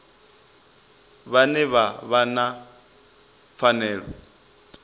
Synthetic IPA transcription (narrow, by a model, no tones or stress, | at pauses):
βanɛβaβana | fanɛːɺɔ̰